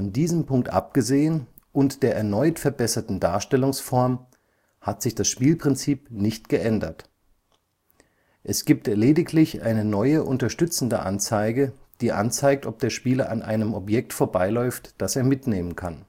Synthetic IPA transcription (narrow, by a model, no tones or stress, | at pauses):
ɔndiːzəmpʰʊŋk̚tʔa̰p̚ɡ̥əzeːən | ʔʊntd̥eːɐʔɛɐnɔʏtfɛɐbɛsɐtn̩daːɐʃtɛlʊŋsfɔɐm | hatz̥ɪçd̥asʃpiːlpʁ̥ɪnt͡siːpnɪçtɡ̥əʔɛndɐt | ʔɛsɡ̥iːp̚tleːdɪkʰlɪçʔa̰ɪnənɔʏəʔʊntɐʃtʏt͡sn̩də̰ʔa̰nt͡saɪɡəd̥iːʔa̰nt͡saɪk̚tɔp̚d̥eːɐʃpiːlɐʔanʔa̰ɪnəmɔpjɛk̚tfoːɐbaɪlɔʏftd̥aseːɐmɪtneːmənkʰan